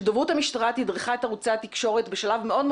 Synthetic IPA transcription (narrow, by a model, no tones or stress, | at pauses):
dovuthamiʃtaʁat̪hidʁiχae̞taʁut͡sat̪ikʃo̞ʁetbeʃalavmeo̞dm